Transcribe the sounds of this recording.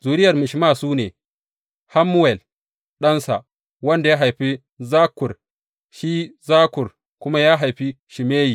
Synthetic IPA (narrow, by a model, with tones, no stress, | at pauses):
zuː˨ɾɪ˦jɐ˨rmɪ˨ʃma˦˨suː˦neː˨ | ha˦mːu˦wɛ˨l | ɗɐ˦nsa̰˨ | wɐ˦nda˨ja˦ɦa˨jɸi˦ | zaː˦kʊ˨r | ʃiː˦zaː˦kʊ˨r | kʷʊ˦ma˦jaː˦ɦa˨jɸi˦ | ʃi˨meː˦jiː˨